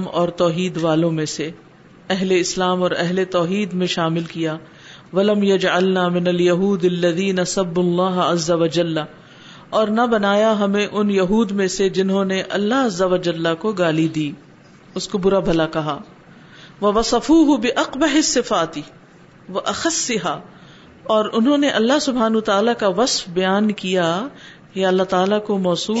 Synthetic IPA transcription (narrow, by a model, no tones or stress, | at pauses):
mɔ̰ːɾt̪ɔːɦiːd̪ʋaːlõmẽse | ɛɦleɪslaːmɔːɾɛɦlet̪ɔːɦiːd̪mẽʃaːmɪlkijaː | ʋɐlɐmjɐd͡ʒʕalnaːmɪnɐljɐɦuːd̪ɐlːɐðiːnɐsɐbːʊlːaːɦɐzːɐʋɐd͡ʒɐlː | ɔːɾnɐbɐnaːjaɦɐmẽʔʊnjɐɦuːd̪mẽsed͡ʒɪnɦõneʔɐ̰lːaɦɐzːɐʋɐd͡ʒɐlːakoɡaːlid̪iː | ʊskobʊɾabʱɐlakɐɦaː | ʋɐʋɐsɐfuːɦʊbɪʔɐqbɐɦɪsːɪfaːt̪ɪ | ʋɐʔɐxɐsːɪɦaː | ɔːɾʊnɦõːneʔɐlːaɦsʊbʱaːnuət̪aːlakaʋɐsfbɐjaːnkija | jeɐlːaɦt̪aːlakomɔːsuː